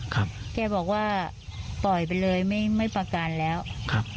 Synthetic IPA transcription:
kʰa˦˥p̚kɛː˧bɔː˨˩k̚waː˥˩ | pɔ˨˩jp̬a˧jlɤː˧jma˥˩jma˥˩jpa˧ka˧nlɛː˦˥wkʰa˦˥p̚

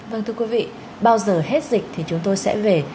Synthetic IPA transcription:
vəː˧˩ŋt̪ʰɨ˧ə˧kwi˨˦vḭ˧˨ | ɓaː˧wzəː˨˩he˦˥t̚zi˨˩k̟̚t̪ʰi˨˩t͡ɕʊ˨˦ŋ͡mt̪o˧jsɛ̰˧˥ve˨˩

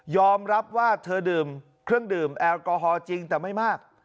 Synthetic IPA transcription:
jɔː˧mɾa˦˥p̚waː˥˩t̪ʰɤː˧dɯː˨˩m | kʰɾɯ˥˩əŋdɯː˨˩mʔɛː˧wkɔː˧ɦɔː˧t͡ɕi˧ŋt̪ɛː˨˩ma˥˩jmaː˥˩k̚

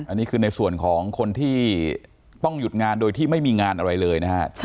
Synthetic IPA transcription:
ʔa˧nːiː˦˥kʰɯː˧na˧jsu˨˩ənkʰɔː˩˦ŋkʰo˧nt̪ʰiː˥˩ | t̪ɔ˥˩ŋju˨˩t̪̚ŋaː˧ndoː˧jt̪ʰiː˥˩ma˥˩jmiː˧ŋaː˧nʔa˧ɾa˧jlɤː˧jna˦˥kʰa˦˥t͡ɕʰ

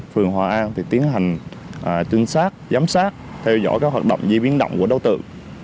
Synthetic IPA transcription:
fɨ˨˩əŋɦwaː˨˩ʔaː˧nt̪ʰi˨˩t̪i˨˦ənɦa˨˩jŋ̟ʔaː˨˩t͡ɕï˧ŋ̟saː˦˥t̚zaː˨˦msaː˦˥t̚t̪ʰɛ˧wzɔ̰ː˧˩jkaː˦˥k̚ɦwaː˨˩ɗə̰˧˨wŋ͡mzi˧ɓi˨˦ənɗə̰˧˨wŋ͡mku˧˩əɗə˧wt̪ɨ̰˧˨

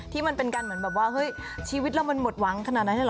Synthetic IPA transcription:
t̪ʰiː˥˩ma˧npe˧nka˧nmɯ˩˦nbɛː˨˩waː˥˩hɤ˦˥j | t͡ɕʰiː˧wi˦˥t̪̚la˧wma˧nmo˨˩t̪̚wa˩˦ŋkʰa˧na˨˩t̪̚na˧˦nt̪ʰa˥˩˧

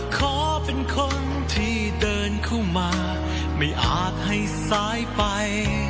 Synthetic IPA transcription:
kʰɔː˧˦pe˧nkʰo˧n | t̪ʰiː˥˩ | dɤː˧nkʰɯ˥˩mmːaː˧ | ma˥˩jʔaː˨˩t̪̚ha˥˩jsaː˧˥jpa˧j

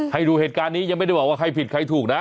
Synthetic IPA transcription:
ha˥˩jduː˧heː˨˩t̪̚kaː˧nːiː˦˥ja˧ŋma˥˩jda˥˩jbɔː˨˩kwaː˥˧˩kʰa˧jpʰi˨˩t̪̚kʰa˧jt̪ʰuː˨˩k̚na˦˥ʔ

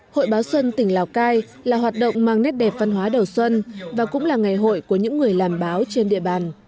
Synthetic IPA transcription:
ho̰˧˨jɓaː˨˦wswə˧nt̪ï˧˩ŋ̟laː˨˩wkaː˧j | laː˨˩ɦwaː˨˩t̚ɗə̰˧˨wŋ͡mmaː˧ŋnɛ˦˥t̚ɗɛ˨˩p̚va˧nɦwaː˨˦ɗə˨˩wswə˧nvaː˨˩kʊ̰˧˥ŋ͡mlaː˨˩ŋa˨˩jɦo̰˧˨jku˧˩əɲɨ̰˧˥ŋːɨ˨˩əjlaː˨˩mɓaː˨˦wt͡ɕe˧nɗḭ˧˨əɓaː˨˩n

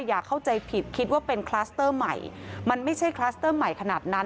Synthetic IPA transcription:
jaː˨˩kʰːa˥˩wt͡ɕa˧jpʰi˨˩t̪̚kʰi˦˥t̪̚waː˥˩pe˧nkʰlaː˦˥st̪ɤː˥˩ma̰˨˩jma˧nma˥˩jt͡ɕʰa˥˩jkʰlaː˦˥st̪ɤː˥˩ma˨˩jkʰa˧naː˨˩t̪̚na˦˥

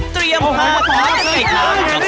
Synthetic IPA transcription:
t̪ɾi˧əmpʰaː˧˩kʰaː˦˥sʰɯ˧˥˩k̚laː˧˥˨

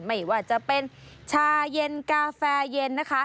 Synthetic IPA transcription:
ma˥˩jwaː˥˩t͡ɕa˨˩pe˧nt͡ɕʰaː˧je˧nkaː˧fɛː˧je˧nːa˦˥kʰa˦˥

